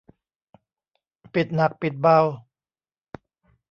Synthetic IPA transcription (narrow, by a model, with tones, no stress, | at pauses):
pi˨˩t̪̚na˨˩k̚pi˨˩t̪̚ba˧w